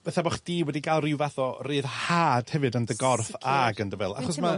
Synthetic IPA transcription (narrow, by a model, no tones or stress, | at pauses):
b̥ɛθabɔχd̥iːwɛdiɡalˠrɪwvaθɔrɨːðhaːd̥hɛvɨdəndəɡɔrfaɡəndəvɛlˠaχɔs̬ma